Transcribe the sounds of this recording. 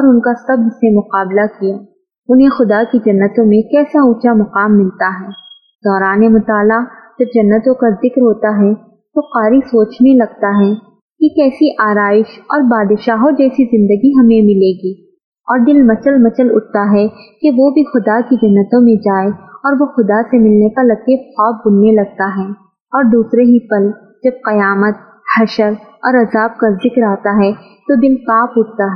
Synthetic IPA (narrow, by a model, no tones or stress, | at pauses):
ɔːɾʊnkasɐblsemʊqaːblakijaː | ʊnɦẽxʊd̪akid͡ʒɐnːət̪õmẽkɛːsaʊːt͡ʃamʊqaːmːɪlt̪aɦɛː | d̪̥ɔːɾaːnemʊt̪aːlad͡ʒɐb̚d͡ʒɐnːət̪õkazɪkɾɦoːt̪aɦɛ | t̪oqaːɾisoːt͡ʃnelɐɡt̪aɦɛ | kikɛːsiʔaːɾaːɪʃɔːɾbaːd̪ʃaːɦod͡ʒɛːsizɪ̃nd̪əɡiɦɐmẽmɪleːɡiː | ɔːɾd̪ɪlmɐt͡ʃəlmɐt͡ʃəlʊ̰ʈ̚t̪aɦɛkeʋobʱixʊd̪akid͡ʒɐɦnːət̪õmẽd͡ʒaːeɔːɾʋoxʊd̪asemɪlnekalɐt̪ebxɔːb̚bʊnːelɐɡ̚t̪aɦɛː | ɔːɾd̪uːsɾeɦipɐl | d͡ʒɐb̚qɐjaːmət̪̚ | hɐʃəɾɔːɾɐzaːb̚kazɪkɾaːt̪aɦɛ | t̪od̪ɪlpaːpʊʈ̚ʰt̪aɦɛː